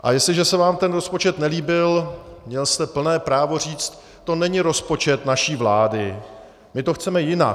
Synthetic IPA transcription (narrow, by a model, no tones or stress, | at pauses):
ʔa̰jɛstlɪʒɛsɛvaːmt̪ɛnɾo̞spo̞t͡ʃɛt̪nɛliːbɪlmɲɛlst̪ɛpl̩nɛːpɾaːvo̞r̝iːt͡st̪ːo̞nɛɲɪɾo̞spo̞t͡ʃɛt̪naʃiːvlaːdɪ | mɪt̪oxt͡sɛmɛjɪna̰